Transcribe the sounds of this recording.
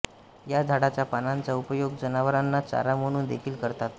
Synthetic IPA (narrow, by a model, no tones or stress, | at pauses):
jad͡zʱaɽat͡ɕjapanant͡saupəjoɡ̚d͡zənaʋəɾanːat͡sa̰ɾam̤əɽ̃uːnd̪ekʰiːlkəɾt̪at̪̚